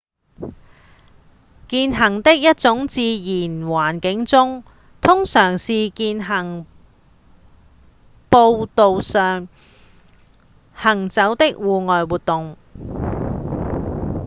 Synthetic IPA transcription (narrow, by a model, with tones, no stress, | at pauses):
kiː˧nɦɐ˨˩ŋt̪ɪ˥k̚jɐ˥t̚t͡sʊ˨˥ŋt͡siː˧jiː˨˩nwaː˨˩nkɪ˨˥ŋt͡sʊ˥ŋ | t̪ʰʊ˥ŋsœː˨˩ŋsiː˨kiː˧nɦɐ˨˩ŋ | po˧wt̪o˨wsœː˨˩ŋ | hɐ˨˩ŋt͡sɐ˨˥wt̪ɪ˥k̚wuː˨˧ŋɔː˨jwuː˨t̪ʊ˨ŋ